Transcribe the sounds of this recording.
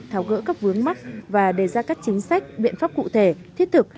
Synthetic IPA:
t̪ʰaː˨˦wɣə̰˧˥kaː˦˥k̚vɨ˨˦əŋma˦˥t̚vaː˨˩ɗe˧˩zaː˧kaː˦˥k̚t͡ɕï˨˦ŋ̟sa˦˥jk̟̚ɓḭ˧˨ənfaː˦˥p̚kṵ˧˨t̪ʰe˧˩t̪ʰi˦˥ət̚t̪ʰɨ˨˩k̚

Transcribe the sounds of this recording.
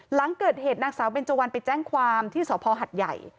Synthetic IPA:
la˩˦ŋkɤː˨˩t̪̚heː˨˩t̪̚naː˧ŋsaː˩˦wbe˧nt͡ɕo˧wa˧npa˧jt͡ɕɛː˥˩ŋkʰwaː˧mt̪ʰiː˥˩sɔː˩˦pʰɔː˧ɦa˨˩t̪̚ja̰˨˩j

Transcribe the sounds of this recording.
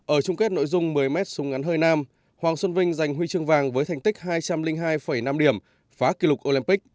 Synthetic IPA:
ʔəː˧˩t͡ɕʊ˧ŋ͡mke˦˥t̚no̰˧˥˨jzʊ˧ŋ͡mmɨ˨˩əjmɛ˦˥t̚sʊ˨˦ŋ͡mʔa˨˦nɦəː˧jnaː˧m | hwaː˨˩ŋswə˧nvï˧ŋ̟za˨˩jŋ̟ɦwi˧t͡ɕɨ˧əŋvaː˨˩ŋvəː˨˦jt̪ʰɛ˧˩jŋt̪ï˦˥k̚ɦaː˧jt͡ɕa˧mlï˧ŋ̟ɦaː˧jfə˧˩jna˧mɗi˧˩əm | faː˨˦ki˧lʊ˨˩k̚ʔo˧li˧npi˦˥k̚

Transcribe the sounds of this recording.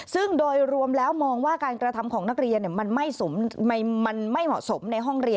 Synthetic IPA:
sɯ˥˩ŋdoː˧jɾu˧əmlɛː˦˥wmɔː˧ŋwaː˥˩kaː˧nkɾa˧t̪ʰa˧mkʰɔː˩˦ŋna˦˥k̚ɾi˧ənːi˨˩ɐma˧nma˥˩jso˩˦mma˧jma˧nma˥˩jmɔ̰˨˩ʔso˩˦mna˧jɦɔ˥˩ŋɾi˧ə

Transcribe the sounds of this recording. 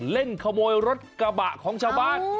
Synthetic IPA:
le˧˩nxʰa˧mo˧e˧ɾo˦˥t̚kaː˧˩ɓa̰ː˧˨xɔ˨˦ŋt͡ɕaː˧ɓaː˧

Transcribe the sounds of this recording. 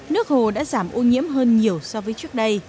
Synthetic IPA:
nɨ˦˥ək̚ho˨˩ɗa̰ː˧˥zaː˧˩mʔo˧ɲḭ˧˥əmɦəː˧nɲi˨˩əwsɔ˧vəː˨˦jt͡ɕɨ˦˥ək̚ɗə˧j

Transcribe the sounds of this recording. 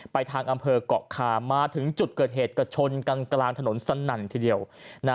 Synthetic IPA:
pa˧jt̪ʰaː˧ŋʔa˧mpʰɤː˧kɔ̰˨˩kʰaː˧˩maː˧t̪ʰɯ˩˦ŋt͡ɕu˨˩t̪̚kɤː˨˩t̪̚ɦeː˨˩t̪̚ka˧˩t͡ɕʰo˧nka˧ŋklaː˧ŋt̪ʰa˧no˩˦nsa˧na˨˩nt̪ʰiː˧˩di˧əwna˦˥

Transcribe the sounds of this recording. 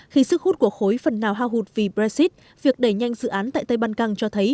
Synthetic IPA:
xi˨˧sɨ˦˥kxhu˦˥t̚ku˧˩əxo˨˦jfə˨˩nːaː˨˩wɦaː˧wɦu˨˩t̚vi˨˩ɓɾa˧zi˦˥t̚ | vi˨˩ək̚ɗe˧˩ɲa˧jŋzɨ̰˧˨ʔaː˨˦nt̪a̰ː˧˨jt̪a˧jɓaː˧nkaː˧ŋt͡ɕɔ˧t̪ʰə˨˦j

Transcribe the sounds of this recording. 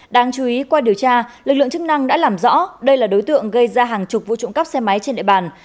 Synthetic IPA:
ɗaː˧ŋt͡ɕu˨˦i˨˦kwaː˧ɗi˨˩əwt͡ɕaː˧lɨ˨˩k̚lɨ̰˧əŋt͡ɕɨ˦˥k̚na˧ŋɗa̰ː˧˥laː˨˩mzɔ̰˧˥ɗə˧jlaː˨˩ɗo˨˦jt̪ɨ̰˧˨əŋɣə˧jzaː˧ɦaː˨˩ŋt͡ɕʊ˨˩k͡p̚vṵ˧˨t͡ɕʊ̰˧˨ŋ͡mkə˦˥p̚sɛ˧ma˨˦jt͡ɕe˧nɗḭ˧˨ɓaː˨˩n

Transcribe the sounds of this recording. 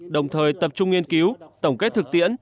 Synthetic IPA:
ɗə˨˩wŋ͡mt̪ʰəː˨˩jt̪ə˨˩p̚t͡ɕʊ˧ŋ͡mŋi˧ənki˨˦wt̪ə˧˩wŋ͡mke˦˥t̪ʰɨ˨˩k̚t̪ḭ˧˨ən

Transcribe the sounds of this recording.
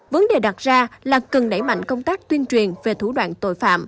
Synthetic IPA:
və˨˦nɗe˨˩ɗa˨˩t̚zaː˧laː˨˩kə˨˩nɗə̰˧˩jma̰˧˨jŋkə˧wŋ͡mt̪aː˦˥k̚t̪wi˧ənt͡ɕwi˨˩ənve˨˩t̪ʰu˧˩ɗwa̰ː˧˨nt̪o̰˧˨jfa̰ː˧˨m

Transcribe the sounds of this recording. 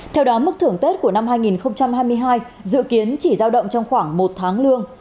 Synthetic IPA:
t̪ʰɛ˧wɗɔ˨˦mɨ˦˥k̚t̪ʰɨ˧˩əŋt̪e˦˥t̚ku˧˩əna˧mhɦaː˧jŋi˨˩nxə˧wŋ͡mt͡ɕa˧mɦaː˧jmɨ˧əjɦaː˧j | zɨ̰˧˨ki˨˦ənt͡ɕi˧˩zaː˧wɗə̰˧˨wŋ͡mt͡ɕɔ˧wŋ͡mxwaː˧˩ŋmo˨˩t̚t̪ʰaː˨˦ŋlɨ˧əŋ

